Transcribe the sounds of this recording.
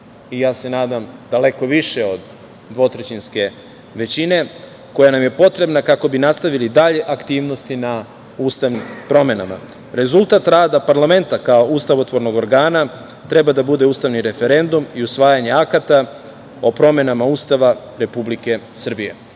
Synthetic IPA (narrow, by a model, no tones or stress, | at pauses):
ijaːse̞naːd̪amd̪̥ale̞ko̞ʋiʃe̞o̞d̪ | d̪ʋo̞t̪ɾet͡ɕinske̞ | ʋe̞t͡ɕine̞ | ko̞janamje̞po̞t̪ɾe̞bnakako̞binast̪aʋilid̪aʎe̞ʔakt̪iːʋno̞st̪ina | uːst̪aʋnimpɾo̞me̞nama̰ | ɾe̞zulˠt̪aːt̪ɾaːd̪apaɾlame̞nt̪akao̞ust̪aʋot̪ʋo̞ɾno̞ɡo̞ɾɡaːna | t̪ɾe̞bad̪abud̪e̞uːst̪aʋniɾe̞fe̞ɾe̞nd̪umiusʋaːjaɲe̞akat̪a | o̞pɾo̞me̞namauːst̪aʋa | ɾe̞publike̞sr̩bije̞̰